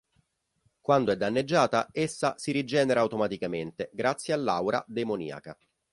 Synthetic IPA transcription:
kwand̪oɛd̪ːanːed͡ʒːaːt̪aesːasiɾid͡ʒɛːneɾaːut̪omat̪ikament̪eɡɾat̪sːjealːawɾa̰d̪emonḭːa̰ka

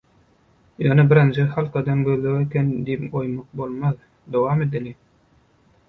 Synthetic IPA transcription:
jɑnɑbiɾend͡ʒexɑlˠqɑd̪ɑmɡølːøɣekend̪ipojmɑq̚bo̞lˠmɑð | d̪owɑːmed̪ili

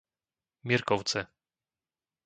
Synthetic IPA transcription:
mʲjɛɾkɔwt̪sɛ

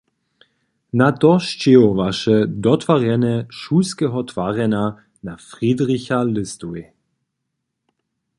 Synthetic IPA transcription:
natɔʃt͡ʃɪovaʃɛdɔtvaʁɛnɛʃuːskɛɦɔtv̥aʁɛna | nafʁidʁɪçalɪstuj

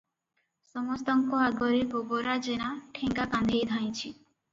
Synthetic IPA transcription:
sɔmɔst̪ɔŋkɔaɡɔɾeɡoɡoɾad͡ʒeñaʈʰeŋɡakãnd̪ʱejd̪ʱaj̃t͡ʃʰi

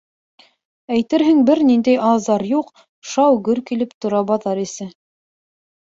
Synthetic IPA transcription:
æjt̪ɘɾɦɘŋbɘɾnind̪æjʔɑzɑɾjuq | ʃɑwɡɵɾkilɘpt̪ŏɾɑbɑðɑɾisɘ

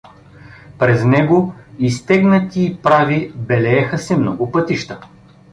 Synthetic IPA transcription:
pɾɛznɛɡoist̪ɛɡnət̪iːpɾavibɛlɛɛxɐsɛmnɔɡʊpɤt̪iʃt̪ə

